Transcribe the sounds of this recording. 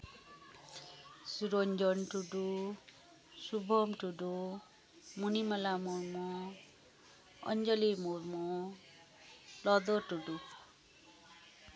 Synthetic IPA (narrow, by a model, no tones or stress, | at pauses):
suɾond͡ʒʌnʈuɖu | subʱʌmʈuɖu | munimʌlamuɾmo | ʌ̰nd͡ʒʌlimurmo | lʌd̪oʈuɖu